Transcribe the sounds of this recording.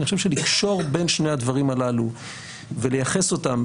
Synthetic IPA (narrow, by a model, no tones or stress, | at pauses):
niχoʃevʃelikʃo̞ʁbe̞nʃnejad̪vaʁimalalu | vele̞jaχe̞so̞tam